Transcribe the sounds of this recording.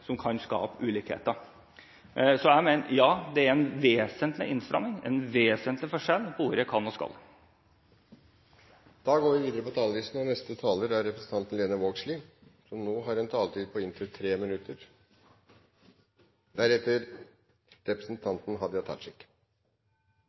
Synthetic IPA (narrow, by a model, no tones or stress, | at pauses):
sɔmkʰɑnskɑ̰ːpʉːliːkhḛːt̪ə | sɔæmɛnjɑːd̪ɛæɾɛnʋeːsənt̪lɪ̰ʔɪnst̪ɾɑ̰mnɪŋɛ̰nʋeːsənt̪lɪfɔʂɛlːpʰɔʋʊɾəjækʰɑnːɔskɑ̰l | d̪̥ɑːɡoːɾʋɪʋiːd̪əɾəpɔt̪ʰɑːləʋiːsn̩ɔnɛst̪ət̪ʰɑːləɾæɾɛpɾəsn̩ʰɑnt̪ənleːnəʋoːɡslɪsɔmnoːɦɑɾɛnt̪ʰɑːlət̪ʰiːd̪̚pʰɔɪnt̪ʰɾət̪ʰɾeːmɪnʉt̪əɾ | d̪æɾɛt̪əɾ | ɾɛpɾəsn̩t̪ʰɑnt̪n̩ɦɑd̪əjæt̪ʰɑ̰t̪ʂɪkː